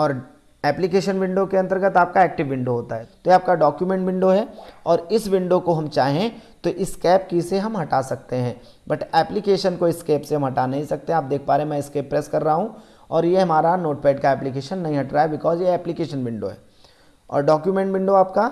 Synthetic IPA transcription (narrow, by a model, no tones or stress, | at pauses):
ɔːɾ | ɛːplɪkeːʃənʋɪ̃ɳɖokeɐ̃nt̪əɾɡət̪aːp̚kaɛːk̚ʈɪʋːɪ̃ɳɖoɦoːt̪aɦɛːt̪ojeaːp̚kaɖɔːkjumɛ̃ɳʈʋɪ̃ɳɖoɦɛːɔːɾɪsʋɪ̃ɳɖokoɦɐmt͡ʃaːɦẽt̪oʔɪskɛːp̚kiseɦɐmɦɐʈasɐk̚t̪eɦɛ̃ː | bɐʈɛːplɪkeːʃənkoɪskɛːpseɦɐmɦɐʈanɐɦĩsɐk̚t̪ẽɦaːp̚d̪eːk̚ʰpaːɾeɦɛ̃mɛ̃ɪskeːpɾɛːskɐɾːɐɦaɦũ | ɔːɾjeɦɐmaːɾanoːʈpɛːɖ̚kaɛːplɪk̬eːʃənːɐɦĩɦɐʈɾaɦɛbɪkɔːzjeɛːplɪkeːʃənʋɪ̃ɳɖo̰ɦɛ̰ː | ɔ̰ːɾɖɔːkjumɛ̃ɳʈʋɪ̃ɳɖoaːp̚ka